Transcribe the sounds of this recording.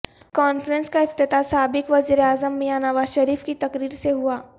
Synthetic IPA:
kɔːnfɾə̃nskaɪft̪ɪt̪asaːbɪkʋɐziːɾeaːzəmːẽjaːnəʋaːzʃɐɾiːfkit̪ɐkɾiːɾseɦuaː

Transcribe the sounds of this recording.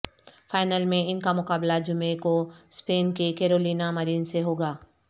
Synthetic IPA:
faːɪnəlmẽɪnkamʊkaːblad͡ʒʊmekospeːnkekeːɾoːliːnamɐɾiːnseɦoːɡaː

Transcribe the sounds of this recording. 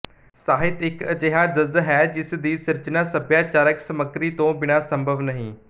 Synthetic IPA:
saːɦɪt̪ɪkɐd͡ʒeːɦad͡ʒəzɦɛːd͡ʒɪsd̪iːsɪɾd͡ʒənasəbjaːt͡ʃaːɾəksəməkɾit̪õːbɪɽ̃asə̃mbʱəʋnɐɦĩː

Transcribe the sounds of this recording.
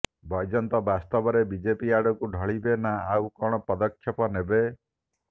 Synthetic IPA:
bɔjd͡ʒɔnt̪ɔbast̪ɔbɔɾebid͡ʒepiaɽɔkuɖʱɔɭibenaawkɔɽ̃ɔpɔd̪ɔkʰːjɔpɔnebe

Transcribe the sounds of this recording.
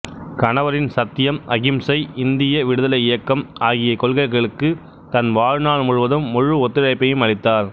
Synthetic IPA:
kɐnɐʋɐɾɪnsɐt̪ːɪjɐmɐɣɪmsɐɪɪnd̪ɪjɐʋɪɽɯðɐlɐɪɪjɐkːɐmaːɣɪjɐkɔɭɣɐɪɣɐɭɯkːɯ | t̪ɐnʋaːɻnaːɭmʊɻʊʋɐðɯmːʊɻɯɔt̪ːɪɻɐɪpːɐjɯmɐɻɪt̪ːaːɾ

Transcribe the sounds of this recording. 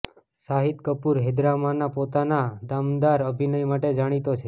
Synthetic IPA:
saɦit̪kəpuɾɦed̪ɾamanapot̪anad̪amd̪aɾəbʱinəjmaʈed͡ʒaɽ̃it̪ot͡ʃʰe

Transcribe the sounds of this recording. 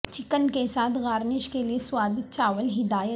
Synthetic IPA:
t͡ʃɪkənkesaːt̪ʰɣaːɾnɪʃkelieswaːd̪ɪt̪̚t͡ʃaːʋəlɦɪd̪aːjə

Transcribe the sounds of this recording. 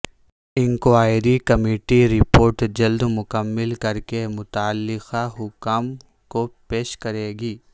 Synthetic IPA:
ɪ̃ŋkaːɪɾikɐmeːʈiɾɪpoːɾʈd͡ʒɐld̪mʊkəmːɪlkɐɾkemʊt̪aːlːɪxaɦʊkaːm | kopeːʃkɐɾeːɡiː

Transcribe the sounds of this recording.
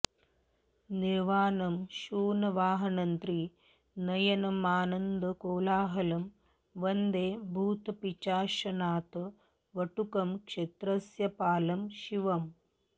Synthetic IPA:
niɾʋaːnɐmʃuːnɐʋaːɦɐnɐnt̪ɾi | nɐjɐnɐmaːnɐnd̪ɐkoːlaːɦɐlɐm | ʋɐnd̪eːbʱuːt̪ɐpit͡ʃaːʃɐnaːt̪ɐ | ʋɐʈukɐmkʂet̪ɾɐsjɐpaːlɐmʃiʋɐm

